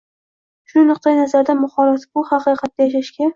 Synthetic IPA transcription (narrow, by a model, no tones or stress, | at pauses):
ʃʊnɨqt̪ʰajnazaɾd̪amʊχɒɾat̪bʊhɑqɨqʰɑt̪ːajaʃaʃkʲa